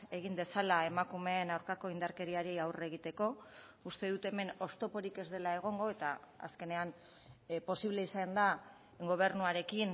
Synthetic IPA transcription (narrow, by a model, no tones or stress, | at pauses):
e̞ɣ̞ind̪e̞salae̞makume̞ːnawɾkako̞ind̪aɾke̞ɾiaɾiawre̞ɣit̪e̞ko̞ | ust̪e̞ðut̪e̞me̞no̞st̪o̞po̞ɾike̞zðe̞lae̞ɣ̞o̞ŋɡo̞e̞t̪aa̰ske̞ne̞an | po̞siβle̞isand̪a | ɡo̞β̞e̞ɾnuaɾe̞kin